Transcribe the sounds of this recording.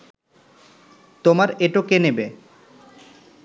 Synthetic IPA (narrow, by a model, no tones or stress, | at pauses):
t̪omaɾeʈokenebe